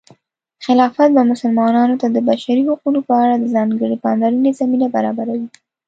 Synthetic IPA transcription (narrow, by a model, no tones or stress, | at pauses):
xɪlɑfat̪̚bamʊsʊlmɑnɑnot̪ad̪əbaʃaɾihuqunopəaɽad̪əzɑŋɡəɽipɑnd̪aɾunezaminabaɾɑbaɾawi